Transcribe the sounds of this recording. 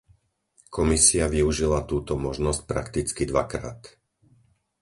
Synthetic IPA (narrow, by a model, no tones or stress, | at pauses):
kʰɔmisiaʋiuʒilat̪uːt̪ɔmɔʒnɔsc̚pɾa̰kt̪it͡skid̪ʋa̰kɾa̰ːt̪